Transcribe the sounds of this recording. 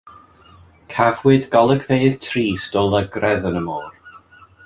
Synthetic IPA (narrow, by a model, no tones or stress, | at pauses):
kʰavwɨdɡɔlˠəɡʰvejð̥tʰriːstɔlˠəɡrɛðənəmɔːr